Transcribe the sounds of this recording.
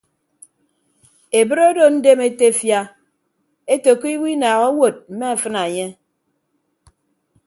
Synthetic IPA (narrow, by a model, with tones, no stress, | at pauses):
e˨bɨ˦ɾe˦do˨n̩˦de˦me˦te˦˨fja˦ | e˦to˨ko˦i˦wi˦naː˨ɣo˦wo˨t̚m̩˨me˦a˨fɨ˦na˨ɲe˦